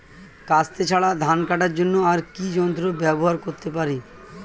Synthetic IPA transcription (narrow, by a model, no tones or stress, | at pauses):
kast̪ʰet͡ɕʰaɭad̪ʱankaʈaɾd͡ʑonːoaɾkid͡ʑɔnt̪ɾobɛboɦaɾkoɾt̪epaɾi